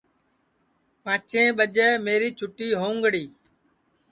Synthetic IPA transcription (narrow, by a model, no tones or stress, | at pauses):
pãːt͡ʃẽːɓəd͡ʒəːmeːɾiːt͡ʃʰʊʈiːɦoːŋɡɽiː